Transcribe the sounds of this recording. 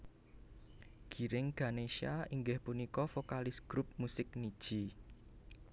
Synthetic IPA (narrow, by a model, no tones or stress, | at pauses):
ɡ̥i̤ɾɪŋɡ̥aneʃiaiŋɡɪhpunikɔfokalɪsɡ̥ɾup̚musɪk̚nid̥ʒ̥i